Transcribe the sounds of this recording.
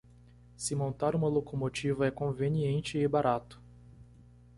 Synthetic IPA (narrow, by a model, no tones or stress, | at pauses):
sɪmõnt̪aɾũmɐlokomot͡ʃivɐɛkõveniẽnt͡ʃɪɪbaɾʔat̪ʊ̥